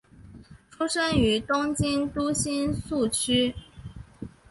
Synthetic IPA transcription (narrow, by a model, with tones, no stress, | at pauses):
ʈ͡ʂʰu˥ʂə˥ŋy˧˥t̪ʊ˥ŋt͡ɕi˥nt̪u˥ɕi˥nsu˥˩t͡ɕʰy˥